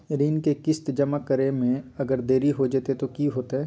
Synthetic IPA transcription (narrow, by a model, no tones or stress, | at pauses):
ɾiːnkekɪst̪d͡ʒɐməkːəɾemẽɐɡəɾd̪eːɾiɦod͡ʒeːt̪et̪okiɦoːt̪eɦɛː